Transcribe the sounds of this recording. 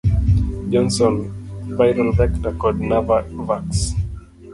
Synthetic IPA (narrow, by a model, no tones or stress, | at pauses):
d͡ʒɔ̃nsɔ̃nvajɾɔlvɛktakɔdnavavaks